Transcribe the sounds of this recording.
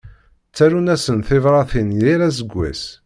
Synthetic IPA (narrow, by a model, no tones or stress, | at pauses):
t͡sːæɾunæsənθɪvɾˤɑθinjiɾæs̬əɡʷːæ̰s